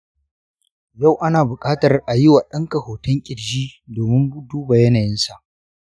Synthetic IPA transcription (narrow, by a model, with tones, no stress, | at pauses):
ja˦˨wʔa˦naː˨bʊ˨kʼaː˦tɐ˨rʔa˨jɪ˦waː˨ɗɐ˦ŋkɐ˨hoː˨tʊ˦ŋkʲʼɪ˨ɽd͡ʒiː˦doː˨mɪ˦mbu˦duː˦ba˨jɐ˦naː˨jɪ˦nsa˨ʔ